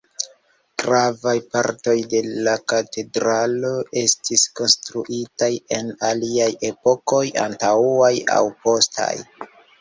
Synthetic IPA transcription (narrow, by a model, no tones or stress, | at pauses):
ɡ̥ɾavajpaɾto̞jde̞lakate̞dɾalo̞ʔe̞stʰisko̞nstɾuʔitaje̞naliaje̞po̞ko̞ja̰ntauaja̰wpo̞stʰa̰j